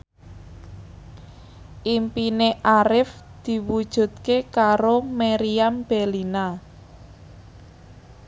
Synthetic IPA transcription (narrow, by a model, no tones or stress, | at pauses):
ʔimpineʔaɾɪfd̪̥i̤wud̥ʒ̥ṳt̪̚kekaɾomeɾiamb̥elina